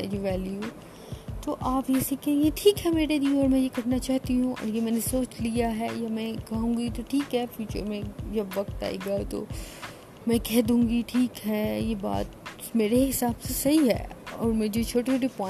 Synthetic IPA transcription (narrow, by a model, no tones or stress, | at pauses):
ɛd͡ʒoʋɛːlju | t̪oʔaːpjeːsikẽeʈʰiːkɦɛmeːɾeɾiɔːɾmɛ̃jekɐɽnat͡ʃaːɦt̪iɦũʔɐ̰ɾjemɛ̃ːnesoːt͡ʃlijaɦɛjamɛ̃kɐɦũːŋɡit̪oʈʰiːkɦɛfjuːt͡ʃə̰ɾmẽd͡ʒɐbʋɐkt̪a̰ːḭɡat̪o̰ː | mɛ̃kɛɦd̪ũːŋɡiʈʰiːkɦɛːjeba̰ːt̪ | meːɾeɦɪsaːbsesɐɦiɦɛ̰ːɔ̰ːɾmɛ̃d͡ʒot͡ʃʰoːʈeoʈipɔ̃